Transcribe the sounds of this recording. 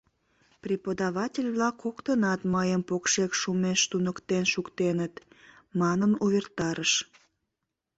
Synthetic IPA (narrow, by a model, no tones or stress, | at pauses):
pripəd̪ɑβɑtʲelʲβlɑkːokt̪ənɑt̪məjəmpokʃekʃumeʃt̪unəkt̪enʃukt̪enət̪ | mɑnənuβert̪ɑɾəʃ